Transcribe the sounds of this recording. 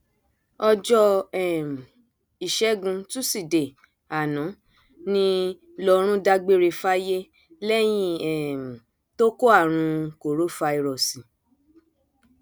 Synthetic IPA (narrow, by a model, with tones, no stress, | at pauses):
ɔ˧d͡ʒɔ˧ɛ˨m˨ | i˨ʃɛ˨˦ɡũ˧tu˦si˦˨de˨ | a˨nɔ̃˨˦ | nĩ˧ | lɔ˦˨ɾ̃ũ˦da˧ɡ͡be˦ɾe˧fa˦je˦ | lɛ˦j̃ĩ˦ɛ˦˨m˨ | to˦ko˦a˦˨ɾ̃ũ˧ko˨ɾo˨˦fa˧i˨ɾɔ˨sĩ˨